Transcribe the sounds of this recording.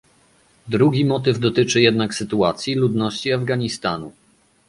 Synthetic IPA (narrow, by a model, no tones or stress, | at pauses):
d̪ɾuɡʲimɔt̪̬ɘvd̪ɔt̪ɘt͡ʂɘjɛd̪naksɘt̪uat̪sʲjilud̪nɔɕt͡ɕiavɡaɲist̪anṵ